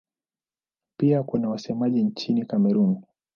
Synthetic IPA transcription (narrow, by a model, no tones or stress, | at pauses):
piakunawasɛmaʄiɲt͡ʃinikamɛɾun